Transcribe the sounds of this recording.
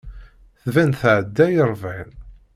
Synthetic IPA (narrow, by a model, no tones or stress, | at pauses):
θvænθʕəd̪ːæjəɾˤvʕin